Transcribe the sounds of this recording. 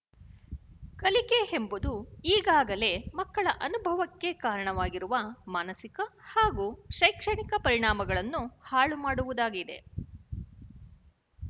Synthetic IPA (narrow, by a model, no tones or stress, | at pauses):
kɐlike̞he̞mbud̪uiːɡaːɡɐle̞mɐkːɐɭɐʔɐnubʱɐʋɐkːe̞kaːɾɐɳɐʋaːɡiɾuʋɐmaːnɐsikɐhaːɡuːʃɐjkʂɐɳikɐpɐɾiɳaːmɐɡɐɭɐnːuhaːɭumaːɽuʋud̪aːɡid̪e̞̰